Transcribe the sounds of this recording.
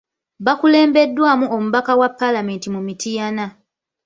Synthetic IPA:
βakule̞ːmbe̞dːwaːmuo̞muβakawapːalame̞ːntimumitijana

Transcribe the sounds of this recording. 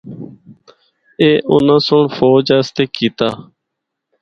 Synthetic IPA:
eːʔʊ̰nãsʊɳfoːd͡ʑəst̪eːkit̪aː

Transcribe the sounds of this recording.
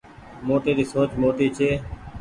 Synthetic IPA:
moːʈeːd̪iːsoːt͡ʃmoːʈiːt͡ʃʰeː

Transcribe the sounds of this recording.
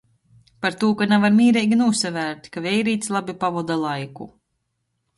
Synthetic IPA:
paɾt̪uːkanavaɾmʲiːɾɛjɡʲinuːsavæːɾt̪ʲkavɛjɾiːt̪slˠabʲipavɔd̪alˠajku

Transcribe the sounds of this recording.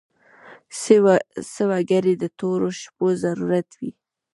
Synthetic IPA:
səwaɡaɾed̪ət̪oɾoʃpozaɾuɾat̪wi

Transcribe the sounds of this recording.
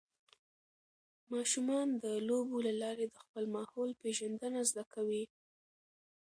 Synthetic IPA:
mɑʃumɑnd̪əlobolalɑɾed̪əxpəlmɑhɑlpeʒand̪ənazd̪akʰawi

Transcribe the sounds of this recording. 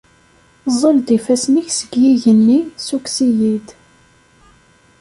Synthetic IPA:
zˤəld̪ifæsniçsəɡjiʝənːisuksijid̪

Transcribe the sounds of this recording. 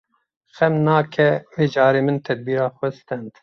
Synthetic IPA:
xɛmnɑːkʰɛweːd͡ʒɑːɾeːmɨnt̪ʰɛd̪̚biːɾɑːxʷɛst̪ɛnd̪̥

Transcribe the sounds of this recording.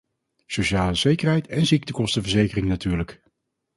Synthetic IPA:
sowʃaːləzejkəɹɦɛjtɛnzik̚təkɔstəvəɹzejkərɪŋnatyːɹlək

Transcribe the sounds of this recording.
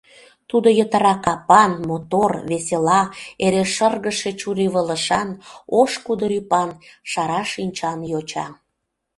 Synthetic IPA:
t̪ud̪ojət̪əɾɑkɑpɑnmot̪orβeselɑeɾeʃərɣəʃet͡ɕuɾiβələʃɑnoʃkud̪əɾypɑnʃɑɾɑʃinʲt͡ɕɑnjot͡ɕɑ

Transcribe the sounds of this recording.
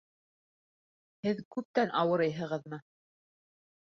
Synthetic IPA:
hɘðkʉp̚t̪ænʔɑwɤ̆ɾɤjɦɤ̆ʁɤ̆ðmɤ

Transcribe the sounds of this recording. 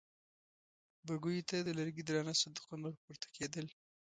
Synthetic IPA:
baɡujt̪ad̪əlaɾɡid̪ɾɑnasad̪ɪqunaɾpuɾt̪ḁkʰed̪əl

